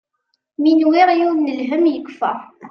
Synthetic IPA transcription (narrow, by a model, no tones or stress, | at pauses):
minwɪɾjuðnəlɦəmjəkːfæ